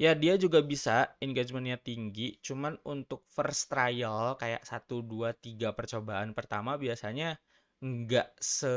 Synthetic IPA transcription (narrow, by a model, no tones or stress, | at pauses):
jadiad͡ʒuɡabisaɛnɡad͡ʒmənɲat̪iŋɡit͡ʃumanunt̪ʊk̚fərst̪ɾajalkaja̰ʔsat̪uduat̪iɡapərt͡ʃobaʔanpərt̪amabiasaɲa | ŋɡaʔsə